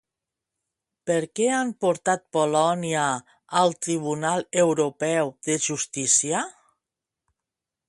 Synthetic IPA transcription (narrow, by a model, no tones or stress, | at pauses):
pəɾkɛampoɾt̪at̪̚polɔniaː | lˠt̪ɾiβunalˠewɾupɛwðəʒust̪isia